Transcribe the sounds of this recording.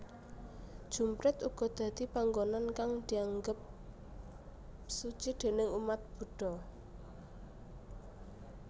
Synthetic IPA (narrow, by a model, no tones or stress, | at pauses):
d̥ʒ̥ṳmpɾɪt̪uɡ̥ɔ̤d̪̥ä̤d̪̥i̤paŋɡonankaŋd̪̥i̤aŋɡəp̚ | su̥t͡ʃid̪̥e̤nɪŋumat̪̚b̥ṳɖ̥ɔ